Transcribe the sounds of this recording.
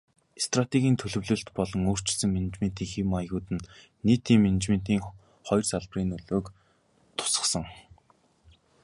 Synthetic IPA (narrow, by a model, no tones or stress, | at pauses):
est̪rat̪ʰeɣʲiːnt̪ʰɵɮɵ̆wɮɵ̆ɬt̪pɔɮɞ̆ŋoːr̥t͡ɕɪ̆ɮsɘ̆ŋmenɘ̆t͡ɕment̪iːŋximajɣʊːt̪ɘ̆nː | iːt̪iːŋmenɘ̆t͡ɕmen̥t̪iːŋ | χɔjrsaɮpriːnɵɮoːk | t̪ʰʊ̥sə̆sə̆ŋ